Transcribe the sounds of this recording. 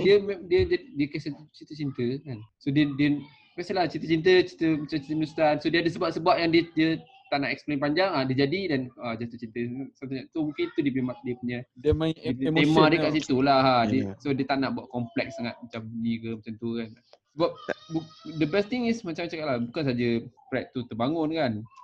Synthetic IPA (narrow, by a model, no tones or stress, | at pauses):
diəmdiədədiəkasəut͡ʃit̪ət͡ʃint̪əkansodiədiə | kasəlat͡ʃint̪ət͡ʃint̪̬ət͡ʃit̪əmat͡ʃamt͡ʃit̪ədust̪ansodiəadəsəbap̚səbuaʔ̚jaŋdiədiə | t̪aʔnaʔɛksplenpaɲd͡ʒaŋadiəd͡ʒadidanəd͡ʒat̪ut͡ʃint̪əsamt̪uɲat̪umũŋkint̪udiəp̬emat̚diəpuɲa | emãdəkaʔsit̪ulaɦadiəsodiət̪aʔnaʔbuaʔkɔmplɛk̚saŋat̪̚mat͡ʃambunikəmat͡ʃamt̪ukan | səbap̚budəbɛst̪iŋismat͡ʃamːat͡ʃãŋkaʔlabukansad͡ʒəpɾaʔ̚t̪ut̪əbaŋʊnkan